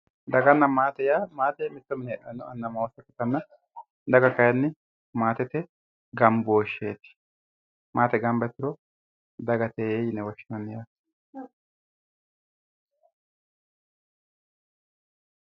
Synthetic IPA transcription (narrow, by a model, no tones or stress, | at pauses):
d̪ɐɡɐnːɐmaːt̪ɛjaːmaːt̪ɛmɪt̪ːɔmɪnɛɛʔɐnʊɐnːɐmɐwɔsɐkːɪt̪ːɐnːɐ | d̪ɐɡɐkɐjɐnːɪ | maːt̪ɛt̪ɛ | ɡɐmboːʃːeːt̪ɪ̥ | maːt̪ɛɡɐmbɐt̪ːɪɾɔ | d̪ɐɡɐt̪eːejɪnɛwɔʃːɪnɐnːɪjaː